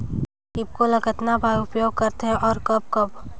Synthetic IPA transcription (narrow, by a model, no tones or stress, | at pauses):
kɪb̚kolɐɡət̪nabʱaːjʊpjoːɡ̚kəɾt̪ɦɛ̃ʔɔːɾkɐb̚kɐb